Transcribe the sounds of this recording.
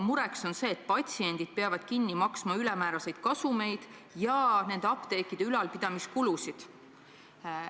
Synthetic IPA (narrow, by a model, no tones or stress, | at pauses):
muɾe̞ksonse̞ːt̪̚pɑt̪ʲsie̞nʲd̪̥id̪̥̚peɑvɑd̪̥kinːimɑksmɑylɛmæːɾɑse̞jd̪̥kɑsume̞jd̪̥jɑne̞nd̪eɑpt̪e̞ːkːid̪̥eylɑlpid̪ɑmiskulusid̪̥